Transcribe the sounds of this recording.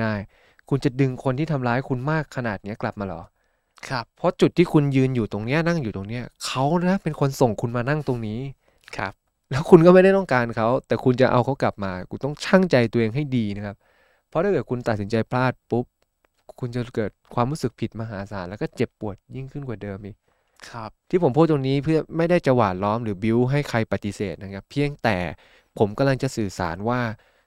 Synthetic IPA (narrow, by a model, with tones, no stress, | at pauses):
aː˥˩j | kʰu˧nt͡ɕa˨˩dɯ˧ŋkʰo˧nt̪iː˥˩t̪ʰa˧mlaː˦˥jkʰu˧nmaː˥˩kʰːa˧naː˨˩t̪̚ni˦˥ɐkla˨˩p̚maː˧lɔ̰˨˩˦ | kʰpʰːɔ˦˥t͡ɕu˨˩t̪ʰːiː˥˩kʰu˧njɯː˧njuː˨˩t̪o˧ŋni˦˥ɐna˥˩ŋjuː˨˩t̪o˧ŋni˦˥ɐkʰa˦˥wn˥a˦˥pe˧nkʰo˧nso˨˩ŋkʰu˧nmaː˧na˥˩ŋt̪o˧ŋniː˦˥ | kʰp̚ | lɛː˦˥wkʰu˧nkɔː˥ma˥˩jda˥˩jt̪ɔ˥˩ŋkaː˧nkʰa˦˥wt̪ɛː˨˩kʰu˧nt͡ɕa˨˩ʔa̰˧wkʰa˦˥wkla˨˩p̚maː˧ku˧t̪ɔ˥˩ŋt͡ɕʰaː˥˩ŋt͡ɕa˧jt̪u˧ɐʔeː˧ŋɦa˥˩jdiː˧na˦˥kʰa˦˥p̚ | pʰːɔ˦˥ɾaː˥˩kːkʰu˧nt̪a˨˩t̪̚si˩˦nt͡ɕa˧jpʰlaː˥˩t̪̚pu˦˥p̚ | kʰu˧nt͡ɕa˨˩kɤː˨˩t̪̚kʰwaː˧mɾuː˦˥sɯ˨˩k̚pʰi˨˩t̪̚ma˧ɦaː˩˦saː˩˦nlɛː˦˥kɔː˥˩t͡ɕe˨˩pːu˨˩ət̪̚ji˥˩ŋkʰɯ˥˩nkwaː˨˩dɤː˧mʔiː˨˩k̚ | kʰp̚t̪ʰiː˥˩o˩˦mpʰuː˥˩t̪ːo˧ŋniː˦˥pʰɯ˥˩ɐma˥˩jda˥˩jt͡ɕa˧waː˨˩t̪̚lɔː˦˥mɾɯː˩˦bi˧wɦa˥˩jkʰa˧jpa˨t̪ːi˧seː˨˩t̪̚na˧˩nkʰa˦˥pʰi˧əŋt̪ɛ̰ː˨˩ | pʰo˩˦mka˧mla˧ŋt͡ɕa˨˩sɯː˨˩sa̰ː˩˦nwaː˥˩